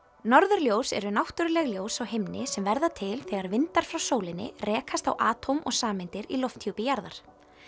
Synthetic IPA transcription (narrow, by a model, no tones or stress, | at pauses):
nɔɾðʏɾljoːwsɛ̰ɾʏnawht̪ʏɾlɛɣljoːwsawhemnɪsɛmvɛɾðat̪ʰɪlθɛɣaɾvɪnt̪aɾ̥fɾawsoːwlɪnːɪ̰rɛːkʰast̪a̰wʔaːt̪ʰomʔɔ̰ɣsaːmɪnt̪ɪɾilɔft̪ʰjupɪjaɾðaɾ̥